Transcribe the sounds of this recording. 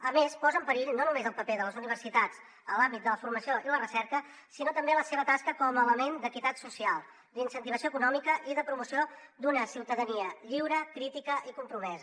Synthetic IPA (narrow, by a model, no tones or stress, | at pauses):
əmespɔzəmpəɾiʎnonumezəlˠpəpeðələzuniβ̞ərsit̪at͡s | əlambit̪̚d̪ələfurməsioilərəsɛɾkə | sinot̪əmbeləseβ̞ət̪askəkɔməːləmend̪əkit̪at̪susialˠ | d̪insənt̪iβ̞əsioəkunɔmikəʔiðəpɾumusio | d̪unəsiwt̪əðəniəʎiwɾəkɾit̪ikəʔikumpɾumɛzə